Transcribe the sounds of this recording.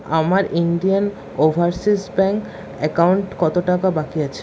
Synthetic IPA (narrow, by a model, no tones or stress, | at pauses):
a̰maɾiɳɖijan | obʱaɾsisbɛŋk | ɛkawɳʈkɔt̪oʈakabakiat͡ɕʰe̥